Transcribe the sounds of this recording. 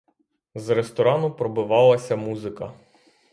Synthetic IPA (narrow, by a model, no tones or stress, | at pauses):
zɾest̪ɔɾɑnʊpɾɔbʊʋɑlˠɐsʲɐmuzɪkɐ